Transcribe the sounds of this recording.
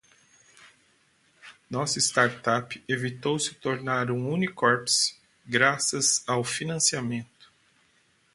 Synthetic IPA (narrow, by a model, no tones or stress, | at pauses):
nɔsʊist̪aɾt̪apɪevit̪owsɪ̥t̪oɾnaɾũũnikɔɾps | ɡɾasɐzawfinɐ̃siamẽnt̪ʊ̥